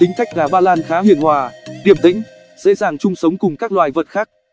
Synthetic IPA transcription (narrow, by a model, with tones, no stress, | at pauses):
t̪ï˨˦ŋ̟k̪a˦˥jk̟̚ɣaː˨˩ɓaː˧laː˧nxaː˨˦hwḭ˧˨ənhwaː˨˩ɗi˨˩əmt̪ḭ̈˧˥ŋ̟ | z̥ḛ˧˥zaː˨˩ŋt͡ɕʊ˧ŋ͡msə˨˦wŋ͡mkʊ˨˩ŋ͡mkaː˦˥k̚lwaː˨˩jvə˨˩t̚xaː˦˥k̚